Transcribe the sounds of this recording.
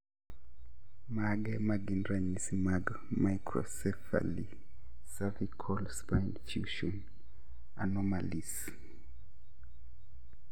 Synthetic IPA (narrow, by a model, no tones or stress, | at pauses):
maɡɛmaɡinɾaɲisimaɡ | majkɾɔ̰sɛfa̰li | savikʰɔlspajnfjuʃɔn | a̰nɔmalis